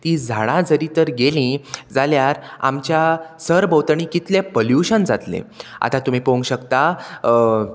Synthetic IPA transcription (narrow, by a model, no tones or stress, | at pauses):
t̪iːd͡zʱaɽ̃ãd͡zəɾit̪əɾɡelĩd͡zaljaɾa̰mt͡ɕjasəɾbəwt̪əɳikit̪lepoljuɕənd͡zat̪lḛ̃a̰t̪at̪um̤ipoŋɡɕəkt̪a